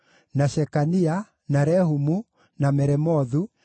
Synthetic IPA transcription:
naʃɛkania | naɾɛhumu | namɛɾɛmɔðu

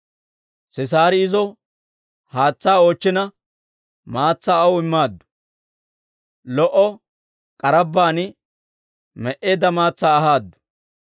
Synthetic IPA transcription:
sɪs̬aːɾɪɪzɔ | haːt͡sːaːoːt͡ʃːɪnɐ | maːt͡sːaːɐwʊɪmːaːd̪ːʊ̥ | lɔʔɔ | kʼɐɾɐbːaːn | mɛʔeːd̪ɐmaːt͡sːaːɐɦaːd̪ːʊ̥

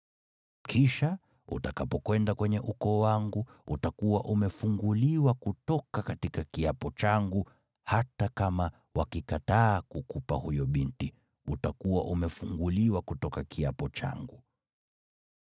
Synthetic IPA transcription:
kʰiʃa | ṵtakapɔkwɛndakwɛɲɛʔukɔwaŋɡuutakuwaʔumɛfuŋɡuliwakutɔkakatikakiapɔt͡ʃaŋɡu | hatakama | wakikataːkukupahujɔɓinti | utakuwaʔumɛfuŋɡuliwakutɔkakʰiapɔt͡ʃa̰ŋɡu

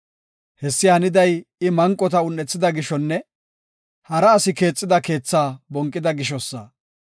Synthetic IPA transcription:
hɛsːɪhɐnɪd̪ɐjɪmɐŋkʼːɔt̪ɐʊnːɛt͡sːɪd̪ɐɡɪʃɔnːɛ | hɐɾɐːsɪke̞ːt͡sʼːɪd̪ɐke̞ːt͡sːaːbɔŋkʼːɪd̪ɐɡɪʃ̬ɔsːɐ̰

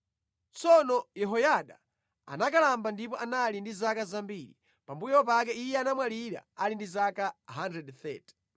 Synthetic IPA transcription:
t͡sɔnɔjɛɦɔjaɗa | a̰nakalambandip̬ɔʔanalindizakazambili | pambujɔp̬ak̬ɛijɛanamwaliɾa̰alindizakaɦandɾɛdθɛːtɛ̥

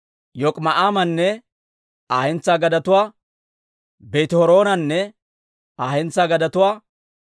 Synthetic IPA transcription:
jɔkʼmɐʔaːmɐnːɛ | aːɛnt͡sːaːɡɐd̪ɐt̪ʊwaː | bet̪hɔɾoːnɐnːɛ | aːhɛnt͡sːaːɡɐd̪ɐt̪ʊwaː

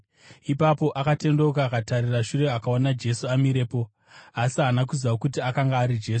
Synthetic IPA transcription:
ipapo̞ʔakate̞ndo̞kaːkatariraʃure̞akao̞nad͡ʒe̞suamiɾe̞ːpo̞ | asianak̬uzaokutiakaŋɡaːɾid͡ʒe̞ːsu̥

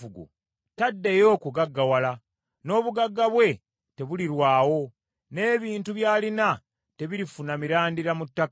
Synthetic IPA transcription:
uɡṵ | tadːe̞jo̞ːkuɡaɡːawala | no̞ːβuɡaɡːaβwe̞ | te̞βuliɾwaːwo̞ | ne̞ːβiːntuβjaːlina | te̞βiɾifunamiɾaːndiɾamutːak

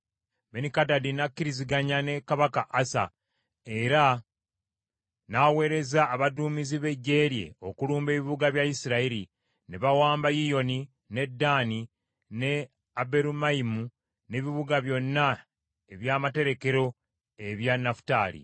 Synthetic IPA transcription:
benikadadinakːiɾiziɡaɲane̞kaβakaʔːsa̰ | e̞ɾa | nawe̞ːɾe̞zaːβaduːmiziβe̞ɟːe̞ːɾje̞̰o̞kuluːmbe̞βiβuɡaβjajisiɾaiɾi | neβawaːmbajijo̞ni | ne̞dːaːni | ne̞ | abe̞ɾumaimu | ne̞βiβuɡaβjo̞nːa | e̞βjaːmate̞ɾe̞ke̞ɾo̞ | e̞βjanːafu̥taːlḭ

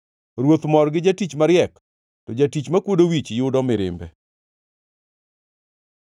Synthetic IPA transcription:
ɾwot̪mɔrɡɪd͡ʒatit͡ʃmaɾjɛk | tɔd͡ʒatit͡ʃmakwodowit͡ʃjʊdɔmɪɾɪ̰mbɛ

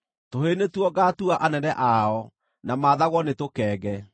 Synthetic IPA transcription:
toɦenetwɔɡatuaʔanɛnɛʔaɔ | namaːðaɣɔnetokɛːɣɛ

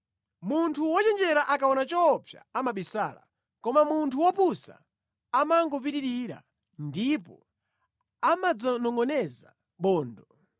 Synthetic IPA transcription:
muntʰuwɔt͡ʃɛnd͡ʒɛɾaʔakaɔnat͡ʃɔpʰja̰amaɓisaːla̰ | kɔmamuntʰuwɔpusa̰ | amaŋɡɔpiɾiɾiɾa̰ | ndipɔ̰ | amad͡zɔnɔŋɡɔnɛza̰ | ɓɔːndɔ

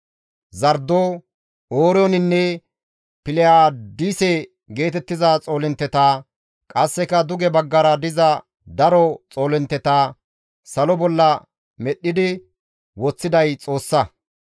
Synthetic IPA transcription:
zɐɾd̪oː | oːɾɔnɪnːɛ | pɪlɛjaːd̪iːsɛ | ɡe̞ːt̪ɛt̪ːɪzat͡sʼo̞ːlɪnt̪ːɛt̪aː | kʼɐsːɛkɐd̪ʊɡɛbɐɡːɐɾɐd̪ɪzɐ | d̪ɐɾɔt͡sʼo̞ːlɛnt̪ːɛt̪aː | sɐlɔbɔlːɐ | mɛɗːɪd̪ɪ | wɔt͡sːɪd̪ɐjt͡sʼo̞ːsːɐ

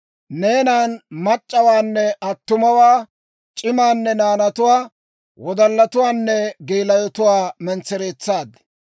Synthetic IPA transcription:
neːnaːnmɐt͡ʃʼːɐwaːnːɛʔɐt̪ːʊmɐwaː | t͡ʃʼɪmaːnːɛnaːnɐt̪ʊwaː | wɔd̪ɐlːɐt̪ʊwaːnːɛɡeːlɐjɔt̪ʊwaːmɛnt͡sːɛɾeːt͡sːaːd̪

